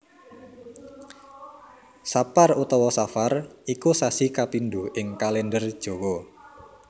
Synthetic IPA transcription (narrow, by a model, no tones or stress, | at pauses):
saparut̪ɔwɔsafarikusasikapinduhʔɪŋkalɛndərd̥ʒ̥o̤wɔ